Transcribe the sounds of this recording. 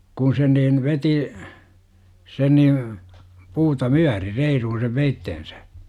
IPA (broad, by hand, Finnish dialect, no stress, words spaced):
kun sen niːn ʋeti sen niːʋ puːtɑ myæri reiruhun̞ seʋ ʋeitːen̞sæ̥